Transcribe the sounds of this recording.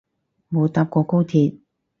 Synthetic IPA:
mo˨˧t̪aː˧p̚kɔː˧ko˥wt̪ʰiː˧t̚

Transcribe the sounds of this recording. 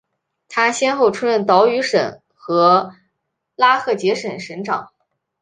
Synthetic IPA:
t̪ʰa˥ɕjɛ˥nxo˥˩ʊʈ͡ʂʰu˥ɻə˥˩nt̪ɑ˧˥ʊy˧˥ʂə̰˨˩˦n | xɤ˧˥ | la˥xʰɤ˥˩t͡ɕjɛ˧˥ʂə˨˩nʂə˧˥nʈ͡ʂɑ̰˨˩˦ŋ

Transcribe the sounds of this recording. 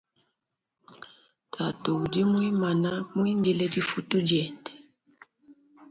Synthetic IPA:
tʰa˨tu˨u˨di˦mwi˦ma˨na˦mwi˦ndi˨lɛ˦di˦fu˦tu˦d͡ʒɛ˨ndɛ̥˨

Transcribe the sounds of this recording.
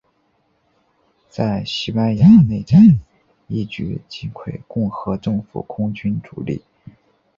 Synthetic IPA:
t͡sa˥˩ɪɕi˥pa˥nja˧˥ne˥˩ɪʈ͡ʂa˥ | i˥˩t͡ɕy̰˥˩t͡ɕi˥nkʰwe˥˧ɪkʊ˥˩ŋxɤ˧˥ʈ͡ʂɤ˥˩ŋfṵ˨˩kʰʊ˥ŋt͡ɕy˥nʈ͡ʂṵ˨˩lḭ˥˩

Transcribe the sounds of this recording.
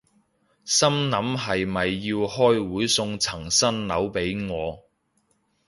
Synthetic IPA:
sɐ˥mnɐ˨˥mɦɐ˨jmɐ˨jːiː˧whɔː˥jwuː˨˥jsʊ˧ŋt͡sʰɐ˨˩ŋsɐ˥nnɐ˨˥wpe˨˥jŋɔː˨˧

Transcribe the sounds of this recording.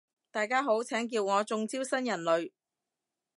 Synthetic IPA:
t̪aː˨jkaː˥ɦo˨˥wt͡sʰɛː˨˥ŋk̬iː˧wŋɔː˨˧t͡sʊ˧ŋt͡siː˥wsɐ˥njɐ˨˩nlɵ˨˧ɥ

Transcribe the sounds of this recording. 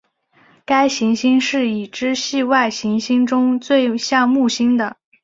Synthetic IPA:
ka˥ɪɕi˧˥ŋɕi˥ŋʂɻ̩˥˩i˨˩ʈ͡ʂɻ̩˥ɕi˥˧wa˥˩ɪɕi˧˥ŋɕi˥ŋʈ͡ʂʊ˥ŋt͡swe˥˧ɪɕjɑ˥˧ŋmu˥˩ɕi˥ŋd̪ə˨

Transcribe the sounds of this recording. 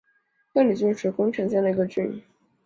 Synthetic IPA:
na˥˩ni˨˩t͡ɕ̩˥˩˥ʈ͡ʂʰɻ̩˧˥kʊ˥ŋʈ͡ʂʰɛ˧˥nɕjɛ˥˩nlə˩i˧˥ɡə˧ʈ͡ʂɻ̩˥˩y̰˨˩

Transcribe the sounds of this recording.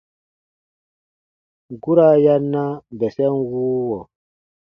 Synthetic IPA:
ɡu˦ɾa˦ja˦nːa˦bɛ˨sɛ˦nwuː˦wɔ˨

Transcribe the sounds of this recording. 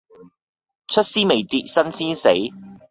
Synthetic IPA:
t͡ʃʰɵ˥t̚siː˥me˨˩jt͡siː˨˧t̚sɐ˥nsiː˥nse˨˥j

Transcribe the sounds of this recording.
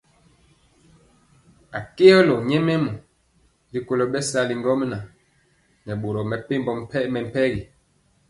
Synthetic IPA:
a˨ke˦ɔ˦lɔ˨ɲɛ˦mɛ˦mɔ˨ | li˨ko˦lo˦ɓɛ˦sa˦li˨ŋɡɔ˦m˦na˨ | nɛ˨ɓo˨ɾo˨mɛ˨pe˦mbɔ˨mɛ˦mɛ˨m̩˨pɛ˦ɣi˨

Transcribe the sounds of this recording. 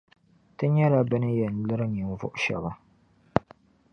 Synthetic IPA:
tɨ˦ɲɛ˦la˦bɨ˦nɨ˦jɛ˨n̩˨lɨ˦ɾɨ˦ɲi˨m˨vʊ̰˦ʔʊ˦ʃɛ̰˨ba˨

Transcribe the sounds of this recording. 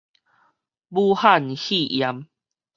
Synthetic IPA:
buː˦ha˥˧˨nhi˦˧˨ʔja˨˦m

